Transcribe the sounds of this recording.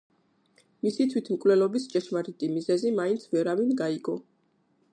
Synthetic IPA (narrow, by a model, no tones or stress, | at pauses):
misit̪ʰwit̪ʰmkʼvlɛlɔbist͡ʃʼɛʃmaɾit̪ʼimizɛzimaint̪sʰvɛɾavinɡaiɡɔ